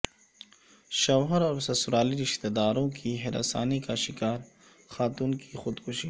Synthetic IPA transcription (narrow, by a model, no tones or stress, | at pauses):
ʃawɦaɾawsasuɾɑːliɾiʃt̪ed̪ɑːɾõkʰiɦeɾa̰sa̰ːnikaːʃikɑːɾ | xɑːt̪unkʰixut̪kuʃi